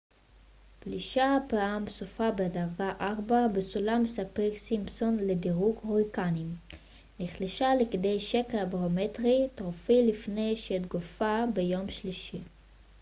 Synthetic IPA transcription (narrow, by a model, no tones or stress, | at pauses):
pliʃapaamsufabedaʁɡaʔaʁbabesulamesapeksimpsonlediʁukoʁikanim | niχliʃalekd̪ejʃekelbaʁometʁit̪ʁofilifne̞jʃeːt̪ɡofabejo̞mʃliʃi